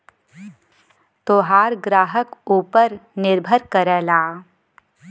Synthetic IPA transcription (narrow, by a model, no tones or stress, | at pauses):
t̪oːɦaːɾɡɾaːɦəkuːpəɾnɪɾbʱəɾkəɾəːlaː